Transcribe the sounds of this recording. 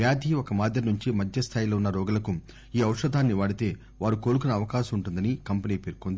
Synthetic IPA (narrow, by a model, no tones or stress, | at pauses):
jaːd̪ʱiːɔkɐmaːd̪ʱjɐnuɲt͡ʃimɐd̪ʱjɐst̪ʰaːjilo̞ːunːɐɾɔːɡɐlɐku | iːɐwʂɐd̪ʱaːnːiʋaːɽit̪e̞ː | ʋaːɾuko̞ːlukunɐːʋɐkaːʃɐmuɳʈund̪ɐnikɐmpɐniːpeːɾkond̪i